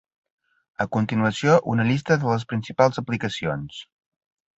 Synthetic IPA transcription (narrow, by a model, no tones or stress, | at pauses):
əkunt̪inuəsioʔṵnəʎist̪əðələspɾinsipalˠzəplikəsions